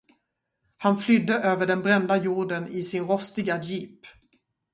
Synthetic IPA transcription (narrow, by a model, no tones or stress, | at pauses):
hanflʏd̪ːəʔøːvəɖɛnbɾɛnd̪ajuːɖənɪsɪnɾɔst̪ɪɡajiːp